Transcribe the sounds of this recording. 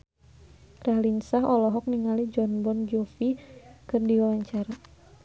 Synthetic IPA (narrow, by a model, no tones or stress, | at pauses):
kɾalinsaɦɔlɔɦɔk̚niŋalid͡ʒɔnbɔnd͡ʒofikɨrdiwawaɲt͡ʃaɾa